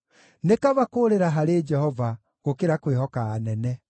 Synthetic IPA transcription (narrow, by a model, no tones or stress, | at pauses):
nekaβakoːɾeɾaɦaɾed͡ʒɛhɔva | ɣokeɾakweɦɔkaːnɛnɛ